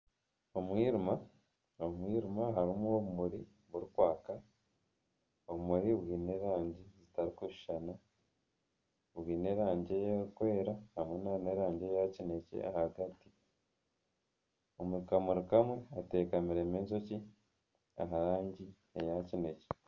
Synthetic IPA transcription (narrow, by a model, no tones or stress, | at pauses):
omwiːɾima | omwiːɾimaɦaɾimuoβumuɾi | βuɾikwaːka | oβumuɾiβwiːne̞ːɾaːɲɟezitaɾikuʃi̥ʃana | βwiːne̞ɾaːɲɟe̞jaɾikwe̞ːɾahamwenaɾneɾaːɲɟe̞jacine̞cḛa̰haɡati̥ | omuɾikamuɾikamwe̞ate̞ːkamiɾeːmeːzo̞ci | a̰ɦaɾaːɲɟi | ejacine̞ce